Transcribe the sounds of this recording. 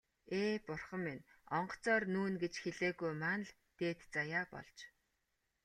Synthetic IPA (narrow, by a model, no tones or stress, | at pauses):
eːpʊrχə̆minɔɴɢɞ̥̆t͡sɔːrnuːnɡet͡ɕxeɮeːɣujmaːnə̆ɮ | t̪eːt̪t͡sajaːpɔ̰ɮt͡ɕ